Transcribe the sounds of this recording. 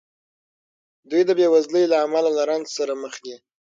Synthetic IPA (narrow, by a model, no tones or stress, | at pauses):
d̪ujd̪əbewazləjlaamalalaɾanzsaɾaməxd̪i